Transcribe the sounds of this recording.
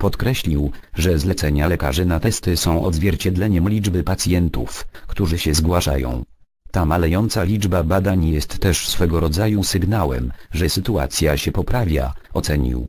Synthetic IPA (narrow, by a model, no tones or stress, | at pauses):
pɔt̪kɾɛɕlʲiwʐɛzlɛt̪sɛɲalɛka̰ʐɘnat̪ɛst̪ɘsɔ̃w̃ʔɔ̰d̪zvʲjɛɾt͡ɕɛd̪lɛɲɛmlʲid͡ʐbɘpat̪sʲjɛnt̪ṵfkt̪uʐɘɕɛzɡwaʂa̰jɔ̰̃w̃ | t̪amalɛjɔnt̪salʲid͡ʐbabad̪aɲjɛst̪ːɛʂsfɛɡɔɾɔd̪zajusɘɡnawɛ̰mʐɛsɘt̪ua̰t̪sʲjaɕɛpɔpɾavʲja̰ɔt̪sɛɲḭw